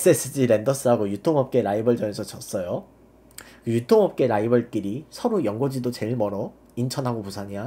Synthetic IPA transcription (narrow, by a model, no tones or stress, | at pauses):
es͈ɯes͈ʰɯd͡ʑiɾe̞ndʌs͈ʰɯɦaɡojutʰoŋɦʌp̚k͈e̞ɾaibʌɭd͡ʑʌne̞sʰʌt͡ɕʰʌs͈ʌjo | kɯjutʰoŋɦʌp̚k͈e̞ɾaibʌɭk͈iɾisʰʌɾojʌŋɡod͡ʑidot͡ɕe̞ɭmʌɾʌ | int͡ɕʰʌnɦaɡopusʰaɲia